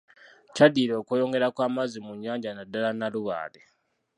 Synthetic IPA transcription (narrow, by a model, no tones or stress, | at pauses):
cadiːɾo̞ːkwejo̞ŋɡe̞ɾakwaːmazimuɲːaːɲɟanadalanaluβa̰ːle